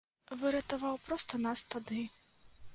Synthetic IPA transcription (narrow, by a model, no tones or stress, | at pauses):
vɨɾɐt̪avawpɾɔst̪ɐnast̪ad̪ɨ